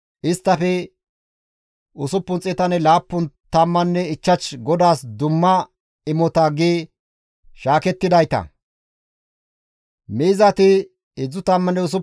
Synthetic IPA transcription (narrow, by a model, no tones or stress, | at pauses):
ʔɪst̪ːɐfɛ | ʊsʊpːʊnt͡sʼɛt̪ɐnɛlaːpːʊnt̪ɐmːɐnːɛɪt͡ʃːɐt͡ʃɡɔd̪aːsd̪ʊmːɐ | ɪmɔt̪ɐɡeː | ʃaːkɛt̪ːɪd̪ɐjt̪ɐ̰ | miːzɐt̪ɪ | ɪd͡zːʊt̪ɐmːɐnːɛʊs̬ʊ